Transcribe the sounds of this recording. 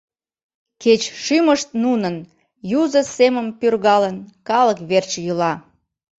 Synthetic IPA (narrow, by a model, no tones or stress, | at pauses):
ket͡ɕʃyməʃt̪̚nunən | juzəseməmpyrɣɑlənkɑləkβert͡ɕjylɑ